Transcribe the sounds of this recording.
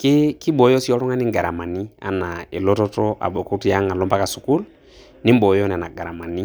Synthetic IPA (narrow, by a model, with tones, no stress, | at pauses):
kɪ˦ki˦ɓɔ˨jɔ˦si˦ɔ˦lɔ˦ŋa˦nɪ˦ŋɡa˨ɾa˨ma˨ni˦a̰˨na˨e˨lɔ˦tɔ˦tɔ˦ʔa̰˨ɓɔ˨ku˦tja˦ŋa˨lɔ˦mba˦ka˨su˨ku˦l | nɪ˦m˦bɔ˨jɔ˦n˨na˨ɡa˨ɾa˨ma˨ni˦